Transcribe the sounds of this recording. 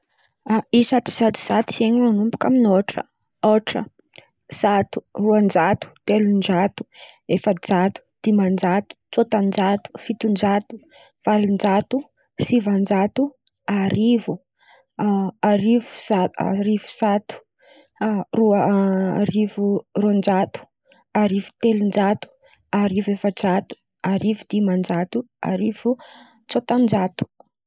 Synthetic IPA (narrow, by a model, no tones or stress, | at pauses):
aisat̪i̥z̥at̪u̥z̥at̪i̥seɲimanumpu̥kaminoʈ͡ʂə̰ | oʈ͡ʂə̰ | z̥at̪u̥ruand͡ʒat̪u̥t̪elund͡ʒat̪u̥efəd͡ʒat̪u̥d̪̥imand͡ʒat̪u̥t͡sot̪and͡ʒat̪u̥fit̪und͡ʒat̪u̥ | v̥alund͡ʒat̪u | sivand͡ʒat̪u | aɾivu | aɾivu̥saa̰ɾivu̥sat̪u̥ | roaɾivurond͡ʒat̪u̥ | aɾivu̥t̪elund͡ʒat̪u̥ | aɾivefət͡sat̪u̥ | aɾivud̪̥imand͡ʒat̪ua̰ɾiv̥u | t͡sot̪and͡ʒat̪u̥